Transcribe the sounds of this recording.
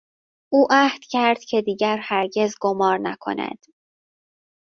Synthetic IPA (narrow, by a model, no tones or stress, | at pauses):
ʔuːʔæhd̪̥cʰæɾd̪̥cʰe̞d̪iːɟæɾhæɾɟe̞zɡomɒːɾnækʰo̞̰næ̰d̪̥